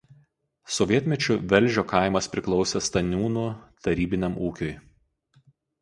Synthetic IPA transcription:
sɔʋʲiɛt̪ʲmʲɛt͡ʃʲʊʋʲɛlʲˑʒʲoːkɐˑɪmɐspʲɾʲɪklˠɒʊsʲɛst̪ɐnʲuːnut̪ɐɾʲiːbʲɪnʲɛmuːkʲʊj

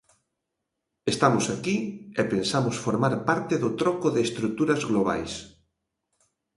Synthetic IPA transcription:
est̪amʊsakiepensamʊsfoɾmaɾpaɾt̪eðʊt̪ɾɔkʊðeːst̪ɾuk̚t̪uɾɐzɣloβ̞a̰js

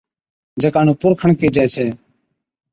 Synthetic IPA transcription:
d͡ʒekaːnũːpʊɾkʰəɳkiːd͡ʒaːt͡ʃʰeː

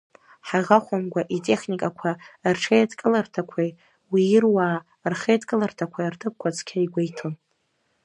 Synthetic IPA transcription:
ħaʁaχʷamɡʷaʔitʼe̞χnikʼakʷʰarʈ͡ʂʰejatkʼɨlartʰakʷʰe | wiɪrwaː | rχejatkʼɨlartʰakʷʰartʰɨp̚kʷʰat͡sʰkʲʰaiɡʷejtʰon

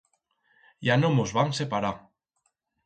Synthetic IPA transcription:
janomozβansepaɾa

